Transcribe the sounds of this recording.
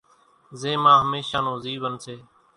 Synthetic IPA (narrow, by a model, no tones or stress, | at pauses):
zeːmãːɦəmeːʃaːnoːziːʋənseː